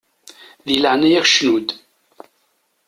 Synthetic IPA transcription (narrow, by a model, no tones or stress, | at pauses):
ðiləʕnæjæxʃnud̪